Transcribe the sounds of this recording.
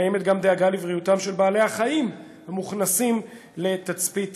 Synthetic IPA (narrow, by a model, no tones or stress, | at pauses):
jeme̞t̪̚ɡamd̪eaɡalivʁiut̪amʃe̞lbaːle̞aχaim | hamuχnasim | le̞t̪at͡spit